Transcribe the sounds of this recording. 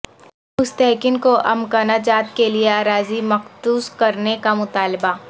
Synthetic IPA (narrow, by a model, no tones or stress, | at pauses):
ʊst̪ɛːkɪnkoʔɐ̰mkaːnad͡ʒaːt̪̚kelieaːɾaːzimɐxsuːskɐɾnekamʊt̪aːlba